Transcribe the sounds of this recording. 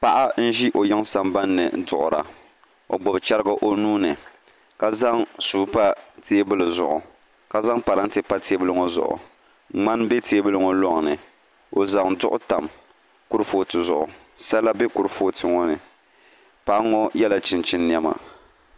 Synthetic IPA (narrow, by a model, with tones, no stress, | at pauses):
pa˦ʔa˦n̩˦ʒi˦ʔo˨ja˦ŋsa˨mba˦nːɨ̰˨˦dʊ˨ʔʊ˨ɾa̰˨ | o̰˨ɡ͡bɔ˨bt͡ʃa˦ɾɡa˦ʔo˦nuː˦nɨ˨ | ka˦za˦ŋsuː˨˦pa˦teː˦bɨ˦lɨ˨zʊ̰˨ʔʊ˨ | ka˨za˦ŋpa˨ɾa˦n˦te˨˦pa˦te˦bɨ˦lɨ˦ŋɔ˦zʊ̰˨ʔʊ̰˨ | ŋ͡ma˦nbe˦teː˦bɨ˦lɨ˦ŋɔ˦lɔ˦ŋ˨nɨ˨ | o˨za˨ŋdʊ˦ʔʊ˦ta˨m | ku˦ɾfoː˦tɨ˨zʊ˨ʔʊ̰˨ | sa˦la˦be˦ku˦ɾɨ˦foː˦tʰɨ˨ŋɔ˦nɨ˨ | pa˨ʔŋɔ˦jɛ˦la˨t͡ʃɪ˨nt͡ʃɪ˦nːjɛ˦ma̰˨